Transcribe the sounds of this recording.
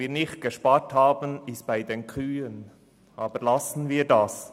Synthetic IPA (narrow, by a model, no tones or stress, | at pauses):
iːnɪχt̚ɡ̥əʃpaːthaːbənɪst̚b̥aɪdeːnkʰʁyːən | ʔɑːbəɾlasn̩viːɾdas